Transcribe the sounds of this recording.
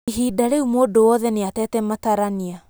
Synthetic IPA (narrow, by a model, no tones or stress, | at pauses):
iɦidaɾeumoːdowɔðɛneatɛːtɛmataɾania